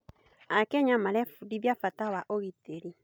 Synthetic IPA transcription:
akɛɲamalɛfudiβjafatawaʔoɣiteɾi

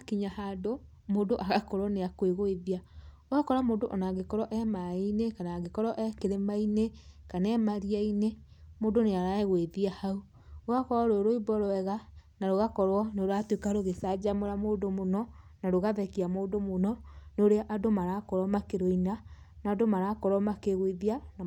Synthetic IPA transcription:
akiɲahado | moːdoʔaɣakɔɾɔneakweɣoeðia | oakɔɾamoːdoʔɔnaɣekɔɾɔʔɛmainekanaɡekɔɾɔʔɛkeɾemainekanɛmaɾiaine | moːdoneaɾaeɣweðiahau | oɣakɔɔɾoɾoibɔɾoɛɣanaɾoɣakɔɾwɔnoɾoatwekaɾoɣesad͡ʒamoɾamoːdomonɔnaɾoɣaðɛkiamoːdomonɔnoɾeaʔadomaɾakɔɾɔmakeɾoinanadomaɾakɔɾɔmakeɣweðiana

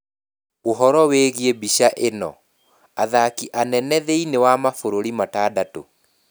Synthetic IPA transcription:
oɦɔɾɔweɣiebiʃaʔenɔ̰ | aðakiʔanɛnɛðeinewamafoɾoɾimataːdato̰

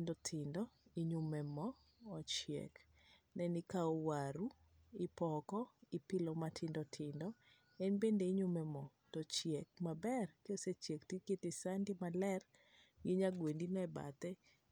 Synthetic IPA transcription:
ndɔtʰɪndɔiɲumɛmɔː | t͡ʃjɛ̰k | nɛnikaowaɾu | ɪpɔkɔipɪlɔmatʰɪndɔtʰɪndɔ | ɛnbendeiɲumɛmɔ | tɔt͡ʃjɛk̚mabɛrkeoset͡ʃjektiketɪsandimalɛr | ɡiɲaɡwendinɔɛba̰t̪ɛ

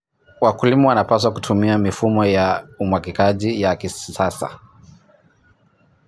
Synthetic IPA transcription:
wakulimɔwanapas̬wakutʰumiamifumɔjaumwakikaʄijakisasa̰

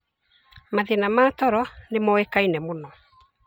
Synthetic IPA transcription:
maðenamaːtɔɾɔnemɔekainɛmonɔ

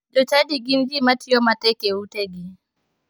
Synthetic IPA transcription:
d͡ʒɔt͡ʃadiɡinɡimatʰijomatekewuteɡi

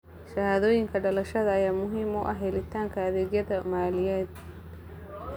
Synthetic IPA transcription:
ʃɐhaːðoːjɪŋkʰɐɖɐlɐʃɐðɐːjaːmʊɦimɔʔɐɦɛlɪt̪ʰaːŋkʰɐɐðɛːɡjɐðɐmaːlɪjɛːd̪̥̚

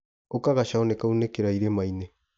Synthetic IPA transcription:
okaɣaʃaonekaunekeɾaiɾemaine

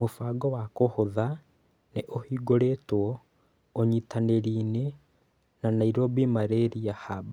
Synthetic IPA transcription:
mofaɡɔwakohoða | neʔohiːɡoɾetwɔ | oɲitaneɾiːne | nanaiɾobimaɾeɾiahaba

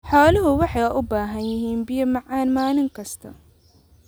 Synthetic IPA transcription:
ħɔːlɐɦʊwɑħɑjɐʔʊbaːɦɐnjɪɦiːnbɪjɐmɑʕɑːnmaːnɪŋkʰɐst̪ʰɐ

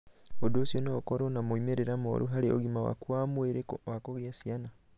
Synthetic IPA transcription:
odoːsjɔneokɔɾɔnamoimeɾeɾamɔ̰ɾʔuɦaɾeo̰ɣimawa̰kwamweɾewakoɣeasiana

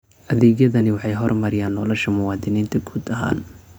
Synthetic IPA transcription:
ʔɐðɛːɡjɐðɐnɪwɑħɑjɦɔrmɐɾɪjaːnːɔlɔʃɐmʊwɑːd̪ɪniːnt̪ʰɐɡuːd̪ɐɦa̰ːn

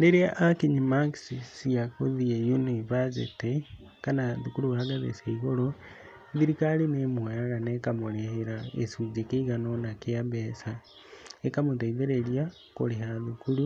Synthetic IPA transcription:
leɾiaʔːkiɲimaksisijakoðiejunivasḭte | kanaðukuluβahaɡaðḛseiɣolo | ðiɾikalinemwaaɾanekamuleheɾaḛsud͡ʒekeiɣanonakeaβesa | ekamuteiðeɾelja | ko̰leɦaðukulu

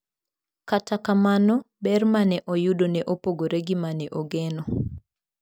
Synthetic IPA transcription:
katakamanɔ | bɛrmanɛʔɔjudonɛʔopoɡoɾɛɡimanɛʔoɡɛnɔ

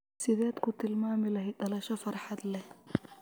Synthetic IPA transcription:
sɪðɛːd̪kʰʊt̪ʰɪlmaːmɪlɐɦɛɖɐlɐʃɔfɐrħɑd̪lɛ

